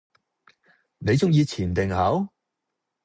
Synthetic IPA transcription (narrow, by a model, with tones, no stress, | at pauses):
ne˨˧jt͡sʊ˥ŋjiː˧t͡sʰiː˨˩nt̪ɪ˨ŋhɐ˨˥w